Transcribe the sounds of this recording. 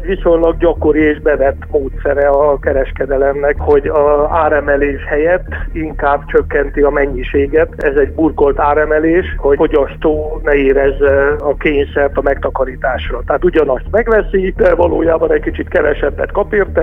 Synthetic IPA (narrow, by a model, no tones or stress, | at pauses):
ʋiso̞ɲlɒɡɟɒko̞ɾieːʒbɛvɛt̪ːmoːt̪sɛɾɛɒkɛɾɛʃkɛd̪ɛlɛmnɛkho̞ɟɒaːɾɛmɛleːʃhɛjɛt̪ːiŋkaːbt͡ʃøkːɛnt̪iɒmɛɲːiʃeːɡɛt̪ɛzɛɟburko̞lt̪aːɾɛmɛleːʃho̞fo̞ɟɒst̪oːnɛeːɾɛzːɛɒkeːɲsɛrt̪ɒmɛkt̪ɒkɒɾit̪aːʃrɒt̪ɛaːt̪uɟɒnɒst̪mɛɡʋɛsid̪ɛvɒlo̰ːjaːbɒnɛckit͡ʃit̪kɛvɛʃɛbːɛ̰t̪kɒpiːrt̪ɛ